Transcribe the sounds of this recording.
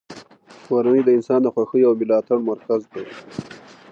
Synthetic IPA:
waɾanid̪əɪnsɑnd̪əxwaxəjawmɪlɑt̪aɽmaɾkazd̪e

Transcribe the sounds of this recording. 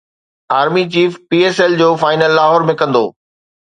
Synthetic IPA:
aːɾmit͡ɕiːfpiːeːsɛld͡ʑoːfaːɪnəlːaːɦɔːɾmẽkɐ̃nd̪o̰ː

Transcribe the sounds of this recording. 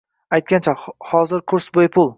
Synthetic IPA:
ajt̪̚ɡʲant͡ʃʰahɒzɪɾkʰʊɾsbojɪpʰʊlˠ

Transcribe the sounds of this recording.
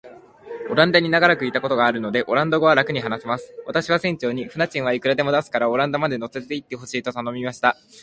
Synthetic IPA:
o̞ɾãnd̪aɲ̟inaɡaɾakɯ̟it̪ako̞t̪o̞ɡaːɾɯ̟no̞d̪e̞ʔo̞ɾãnd̪o̞ɡo̞β̞aɾakɯ̟ɲ̟iɦanasimasɨ̥βat̪aɕiβ̞asẽ̞ɲ̟t͡ɕo̞ːɲ̟iɸɯ̟nat͡ɕĩɰ̃aikɯ̟ɾad̪e̞mo̞d̪asɨ̥kaɾao̞ɾãnd̪amad̪e̞no̞t͡sɨ̥et̪e̞it̪ːe̞ɦo̞ɕiːt̪o̞t̪ano̞mʲimaɕi̥t̪a

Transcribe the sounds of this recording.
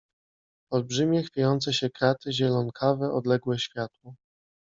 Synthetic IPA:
ɔlbʐɘmʲjɛxfʲajɔnt̪sɛɕɛkɾat̪ɘʑɛlɔnkʰavɛʔɔd̪lɛɡwɛɕfʲjat̪wɔ

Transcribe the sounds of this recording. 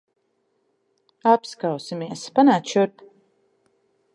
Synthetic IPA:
apskawsimiɛspanaːt̪ʃuɾt̪

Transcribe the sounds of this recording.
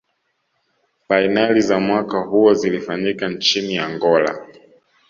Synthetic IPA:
fainalizamwakahuɔzilifaɲikant͡ʃiniaŋɡɔla̰

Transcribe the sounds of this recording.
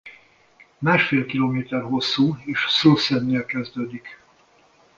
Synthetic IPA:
maːʃfeːlkiloːmeːt̪ɛrɦo̞sːuːeːʃsulsɛnːelkɛzd̪øːd̪ik

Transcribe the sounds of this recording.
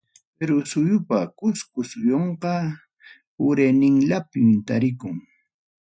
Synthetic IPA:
peɾʊsʊjʊpakʊskʊsʊjoɴqɑ | ʊɾenɪŋlapɪmt̪aɾɪkʊŋ

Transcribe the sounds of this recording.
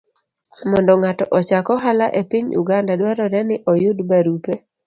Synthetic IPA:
mɔndɔŋatɔʔɔt͡ʃakɔɦalaʔepiɲṵɡandadwaɾɔdɛnɪʔɔjʊdbaɾupe

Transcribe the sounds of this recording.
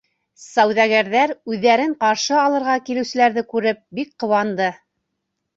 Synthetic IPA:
sæwðæɣæɾðæɾʉðːæɾɘɴqɑɾʃɤɑlˠɤ̆ɾʁɑkilɘ̆wsɘ̆læɾðɘkʉɾɘp̚bik̚qŏwɑnd̪ɤ

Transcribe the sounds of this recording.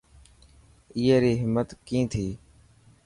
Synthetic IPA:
iːeːɾiːɦɪmːət̪kĩːt̪ʰiː

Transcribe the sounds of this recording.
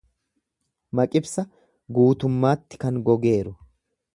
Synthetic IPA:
mɐkʼɪbsɐ | ɡuːt̪ʊmːaːt̪ːɪ̥kɐnɡɔɡe̞ːɾʊ

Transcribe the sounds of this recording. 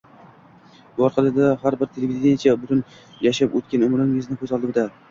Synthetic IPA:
bʊɒɾqʰɑlˠɪd̪ahaɾbɪɾt̪ʰelʲevʲɪd̪d̪enat͡ʃʰabʊt̪ʰʊn | jaʃapot̪̚kʲanʊmɾɪŋɪznɪkʰʲɵzɒlˠd̪ɪmd̪a

